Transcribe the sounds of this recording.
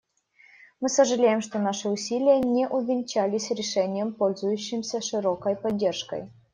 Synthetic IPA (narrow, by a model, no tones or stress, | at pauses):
mɨsəʐɨlʲejɪmʂt̪onaʂɨʊsʲilʲɪjənʲeʔʊvʲɪnʲt͡ɕælʲɪsʲɾʲɪʂɛnʲɪjəmpolʲzʊjʉɕːɪmsʲəʂɨɾokəjpɐdʲːerʂkə̰j